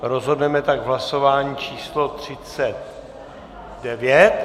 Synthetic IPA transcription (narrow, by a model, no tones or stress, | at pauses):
ɾozɦo̞dnɛmɛt̪aɡvɦlaso̞vaːɲiːt͡ʃiːslo̞t̪r̝̥ɪt͡sɛt̪̚ | dɛvjɛt̪